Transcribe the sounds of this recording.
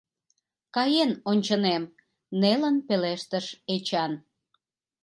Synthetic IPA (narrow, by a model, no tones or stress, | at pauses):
kɑjenonʲt͡ɕənem | nelənpeleʃt̪əʃet͡ɕɑn